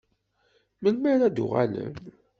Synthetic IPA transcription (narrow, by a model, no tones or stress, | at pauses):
məlmæɾæd̪ʊʁa̰lə̰n